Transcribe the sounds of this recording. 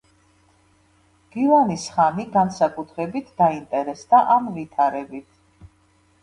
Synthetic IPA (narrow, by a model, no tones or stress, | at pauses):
ɡ̥ivanisχamiɡansakʼut̪ʰɾɛbit̪ʰd̪̥aint̪ʼɛɾɛsd̪aʔamvit̪ʰaɾɛbit̪ʰ